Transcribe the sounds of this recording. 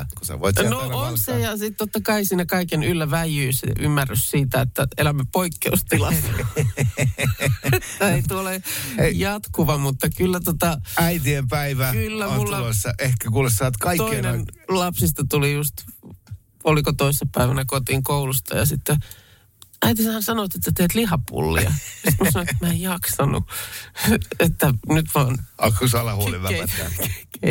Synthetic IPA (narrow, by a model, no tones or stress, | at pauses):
kusḛʋo̰it̪noonssejɑsit̪t̪ot̪ːɑkɑisiːnækɑikenylːæʋæjyːsḛʔymːærːyssiːt̪æet̪ːæelæmːæpoikːeust̪ilɑs | eit̪uolejjɑt̪kuʋɑmut̪ːɑkylːæt̪ot̪ɑæit̪̬iempæiʋækylːæonulːuɑlsːɑehkækuːlessɑːt̪kɑit̪onenlɑpsist̪ɑt̪ulijust̪ | olikot̪oisːepæiʋænækot̪iŋkoulust̪ɑ̰jɑ̰sit̪ːe | æit̪isæhænsɑnot̪et̪ːæt̪eːt̪lihɑpṵlːḭɑ̰si̥t̪musɑnoet̪mæejjɑksɑnṵ | et̪ːænyt̪ʋɑːnɑkːusɑlɑhuoliʋææ̰t̪ːæ̰ke